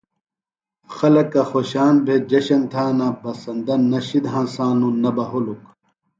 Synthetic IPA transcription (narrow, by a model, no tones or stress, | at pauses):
xɐlɐkːɐxoɕaːnbʱed͡ʑɐɕɐnt̪ʰaːnabɐsɐnd̪ɐnɐɕid̪ɦãːnsaːnũnɐbɐɦoluk